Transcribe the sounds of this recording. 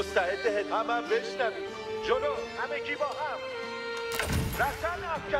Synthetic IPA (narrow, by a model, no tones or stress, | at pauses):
ost̪æed̪ːeɦet̪ʰɒːbæmbeʃnæviː | d͡ʒolohæmeɡiːbɒːɦæm | ɾæft̪æɾnæfkʰæ